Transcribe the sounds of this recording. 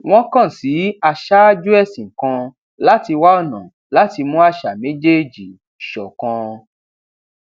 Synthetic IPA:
w̃ɔ̃˦kã˦˨si˨˦a˧ʃa˦d͡ʒu˦ɛ˦˨sĩ˨ŋ̩˨kã˧ | la˦ti˧wa˦ɔ˦˨nã˨ | la˨˦ti˧mũ˦a˦ʃa˨mẽ˦d͡ʒe˦˨d͡ʒi˨ | ʃɔ˨kã˧

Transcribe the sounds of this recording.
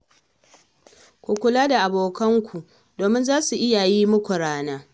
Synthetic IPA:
kʷu˨kʷʊ˨laː˦da˨ʔa˨boː˨kɐ˦ŋkʷʰu˨ | doː˨mɪ˦nzaː˦su˨ʔɪ˦ja˨jiː˦mʊ˦kʷʊ˨ɽaː˦naː˦

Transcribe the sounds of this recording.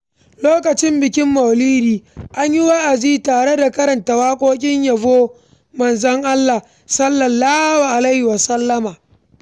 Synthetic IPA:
loː˦kɐ˨t͡ʃɪ˦mbɪ˨kʲɪ˦mːɐ˨wliː˦ɾiː˨ʔa˦ɲji˦wa˦ʔa˨d͡ʒiː˦taː˨ɽe˦da˨kɐ˦ɾɐ˨ntɐ˨waː˦kʷʼoː˦kʲʼɪ˦ɲjɐ˨voː˦ | mɐ˨nzɐ˦ŋʔa˦lːa˨ | sɐ˦lːɐ˨lːaː˦wa˨ʔa˨la˦hʊ˨wa˨sɐ˦lːɐ˦maː˨

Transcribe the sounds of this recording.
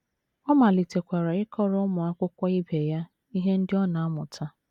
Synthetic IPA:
ɔ˦ma˨li˨te˨kʷa˨ɾa˨ɪ˦kɔ˦ɾʊ˦mʊ˨a˦kʷʊ˦kʷa˦i˦be˨ja˦ | i˦ɦe˦n̩˦dɪ˦ɔ˦na˨a˦mʊ˨tʰa˦

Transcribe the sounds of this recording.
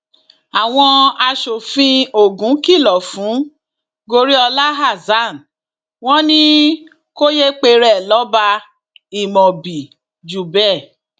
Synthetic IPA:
a˨w̃ɔ̃˧a˧ʃo˨fĩ˧˦o˨ɡũ˨˦ki˦˨lɔ˨fũ˨˦ | ɡo˧ɾi˦ɔ˧la˦ɦa˦˨za˦˨n˨ | w̃ɔ̃˦nĩ˦ | ko˦je˦k͡pe˧ɾɛ˦˨lɔ˨˦ba˧ | i˨mɔ̃˨bi˨ | d͡ʒu˨bɛ˦˨

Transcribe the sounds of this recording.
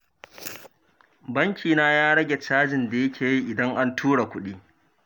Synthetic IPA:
bɐ˦ŋkʲʰiː˨naː˦jaː˦ɽɐ˦ɡʲe˨t͡ʃaː˦d͡ʒɪ˨nda˨jɐ˦kʲʰeː˨ji˦ʔɪ˨dɐ˦ŋʔa˦ntʰuː˦ɽa˨kʷʊ˦ɗiː˦

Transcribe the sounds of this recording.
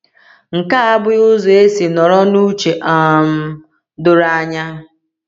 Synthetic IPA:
ŋ̩˨ka˦a˦bʊ˦ʊ˦zo˨e˦si˨nɔ˨ɾɔ˦nu˦t͡ʃe˨ʔa˨m̩˦ | dʊ˦ɾa˦ɲa˦

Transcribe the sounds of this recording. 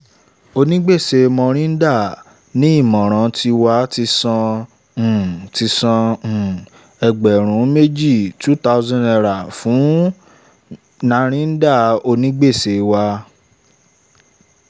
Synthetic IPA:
o˧nĩ˦ɡ͡be˦˨se˧mɔ̃˧ɾ̃ĩ˦n̩˦da˦˨ | nĩ˦i˦˨mɔ̃˨ɾ̃ã˨˧ti˧wa˧ti˧sɔ̃˧ | ũ˨ti˧sã˧ũ˨ | ɛ˧ɡ͡bɛ˨ɾ̃ũ˨˦me˦d͡ʒi˦˨tu˦ta˦zɔ̃˦˨ɛ˧˨ɾa˨fũ˨˦ | nã˧˦ɾ̃ĩ˦n̩˦da˦˨o˧nĩ˦ɡ͡be˦˨se˧wa˧

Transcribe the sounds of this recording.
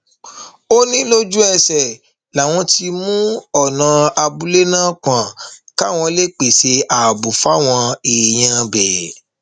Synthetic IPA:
o˦nĩ˦lo˦d͡ʒu˦ɛ˧˨sɛ˨ | la˨w̃ɔ̃˧ti˧mũ˦ɔ˦˨nã˨˧a˧bu˦le˦nãː˦k͡pã˨ka˦˨w̃ɔ̃˧le˦k͡pe˨se˧a˨bu˨fa˦˨w̃ɔ̃˧eː˨j̃ã˧bɛ˨

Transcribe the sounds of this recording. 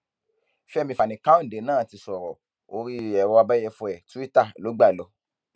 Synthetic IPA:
fɛ˦˧mĩ˧fa˨nĩ˨kã˦õ˦˨de˨˦nãː˦˨ti˧sɔ˨ɾɔ˨ | o˧ɾi˦ɛ˧ɾɔ˧a˧ba˦jɛ˧fu˧ɛ˨tu˦i˦ta˦˨lo˨˦ɡ͡ba˦˨lɔ˨˦

